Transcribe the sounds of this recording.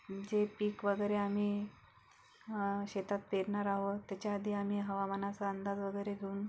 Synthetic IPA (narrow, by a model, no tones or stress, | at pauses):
d͡ʑepiːkʋəɡəjɾeam̤iː | ɕet̪at̪̚peɾɳaɾaɦot̪jat͡ɕjaːd̪ʱiːam̤iːɦəʋamənat͡saənd̪ad͡z̪ʋəɡəjɾeɡʱeuːn